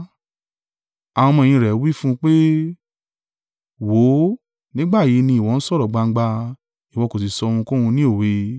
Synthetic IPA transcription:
a˨w̃ɔ̃˧mɔ̃˧˨ĩ˧ɾɛ˨˦wi˦fũ˦k͡pe˦ | wo˨˦ | nĩ˦ɡ͡ba˦˨ji˨˦nĩ˧i˨wɔ˨˦n̩˦sɔ˦˨ɾɔ˨ɡ͡ba˧ŋ̩˦ɡ͡ba˧ | i˨wɔ˨˧˨ko˨s̬i˨sɔ˧hũ˧kõ˦hũ˧nĩ˦o˦˨we˧

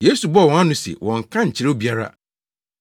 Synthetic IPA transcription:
je˦su˨bɔ˦˨wɔ̃˨ã˦nʊ̃˨sḛ˨wʔɔ̃˨ŋ˨kʰã˦ɲ̩˨t͡ɕʰɪ˨˦ɾo˦bi˨a˦ɾa̰˦

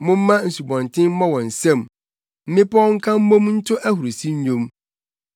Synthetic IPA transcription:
mʊ̃˦m̩˦mã˦n̩˨su˨bɔ̃˨ntʰɪ̃˦m̩˦mɔ̃˦wɔ̃˨n̩˨sɛ̃˦˨m | m̩˦mɪ̃˦pɔ˦ɔ˦ŋ̩˦kʰã˦m̩˦mõ˦mn̩˦tʰʊ˦ʔæ˦hu˨ɾu˨si˦ɲ˦ɲõ˦m

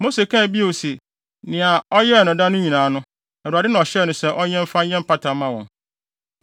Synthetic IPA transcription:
mo˦se˨kʰã˦˨bi˦o˨si˨ | nɪ̃˨a˨ɔ˦jɛ˦˨nʊ̃˨da˦nʊ̃˦ɲĩ˨nãː˨˦nʊ̃˦ | ɛ˨ɾu˨a˨dɪ˦nã˨ɔ˨ɕɛ˦˨nʊ̃˨sɛ˦ʔɔ˦ɲɛ̃˦m˦fa˦ɲɛ̃˦m̩˦pʰa˦tʰa˨mã˦wɔ̃˨n

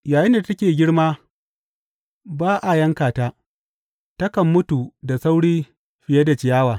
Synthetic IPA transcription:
jaː˨jɪ˦nda˨tɐ˦kʲeː˨ɡʲɪ˦ɽmaː˦ | baː˦ʔa˨jɐ˦ŋkaː˨taː˦ | tɐ˦kɐ˨mːʊ˦tu˨da˨sa˦wɽiː˦ | ɸɪ˨jɐ˦da˨t͡ʃɪ˨jaː˦waː˨

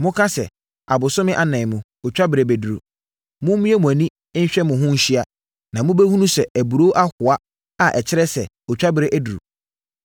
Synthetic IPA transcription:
mʊ̃˦kʰã˦sɛ̰˨ | a˨bʊ˨sʊ˦mɪ̃˦ʔa˦nã˨mʊ̃˨ | ɔ˨t͡ɕᶣa˦bɪ˨ɾe˨bæ˨du˨ɾṵ˨ | mʊ̃˦m˦mĩ˦ɛ˦mʊ̃˨æ˨nĩ˦ | ɪ˦n̩˦ɕᶣɛ˦mʊ̃˨ɦʊ̃˦ɲ̩˦ɕi˦a˨ | nã˨mʊ̃˦bæ˦hũ˦nũ˦sɛ˨æ˨bu˨ɾo˦ʔa˦hʊ˨a˦ | a˨ʔɛ˨t͡ɕʰɪ˦ɾɛ˦sɛ˨ | ɔ˨t͡ɕᶣa˦bɪ˨ɾe˦ʔæ˦du˨ɾṵ˨

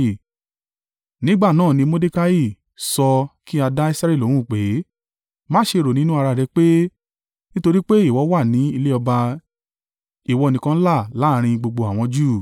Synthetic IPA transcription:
nĩ˦ɡ͡ba˦˨nãː˦˨nĩ˧mo˦de˦ka˦ji˦˨ | sɔ˧ki˦a˧da˦i˦sa˦ɾi˦˨o˨˦ɾũ˦˨k͡pe˨˦ | mãː˦ʃe˧ɾo˨nĩ˦nũ˦a˧ɾa˧˨ɾɛ˨˧˦k͡pe˦ | nĩ˦to˧ɾi˦k͡pe˦i˦˨wɔ˨˦wa˦˨nĩ˨˦i˧le˦ɔ˧ba˧ | i˨wɔ˧˨nĩ˨kã˧n̩˦la˦˨la˨˦˨ɾ̃ĩ˧ɡ͡bo˧ɡ͡bo˧a˨w̃ɔ̃˧d͡ʒuː˦˨

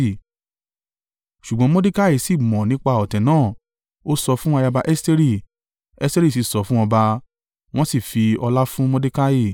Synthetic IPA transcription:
ʃu˨ɡ͡bɔ̃˨˦mɔ̃˦di˦ka˦ji˦˨si˦˨mɔ̃˨nĩ˨˦k͡pa˧ɔ˨tɛ̃˨nãː˦˨ | o˦sɔ˧fũ˦a˧ja˧ba˧ʔɛ˦ste˦ɾi˦˨ | ɛ˦ste˦ɾi˦˨s̬i˦˨sɔ˨˦fũ˦ɔ̃˧ba˧ | w̃ɔ̃˦si˦˨fi˧ɔ˧la˦fũ˦mɔ̃˦di˦ka˦ji˦˨

